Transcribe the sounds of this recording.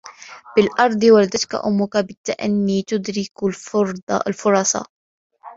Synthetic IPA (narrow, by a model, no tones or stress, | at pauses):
b̥ɪlʔɑɾˤd̪ˤwald̪at̪ka̰ʔʊ̰mːʊkabɪt̪ːaʔa̰nːiːt̪ʊd̪ɾɪklfɾlfʊɾˤɑsˤɑ̰